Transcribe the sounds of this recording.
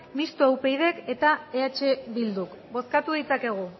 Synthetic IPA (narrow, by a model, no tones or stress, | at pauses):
mist̪oawpe̞jðe̞ke̞t̪aeat͡ʃe̞βild̪uk | bo̞skat̪uð̞it͡sake̞ɣ̞u